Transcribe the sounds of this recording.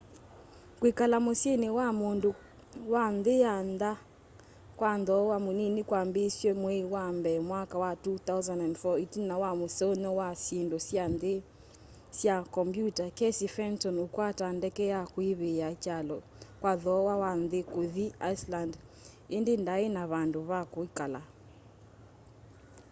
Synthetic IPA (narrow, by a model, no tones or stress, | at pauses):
kwekalamosjenewamondo | wanðejanda | kwanðɔwamoninikwambesjwɛmwɛwambɛmwakawatuθawzandandfɔetinːawamosɛonɔwasjendɔsanðe | sjakɔmbjutakɛsifɛntɔnokwatandɛkɛjakweβejat͡ʃalɔ | kwaðɔwawanðekoðiaisland | endendaenaβandoβakoikala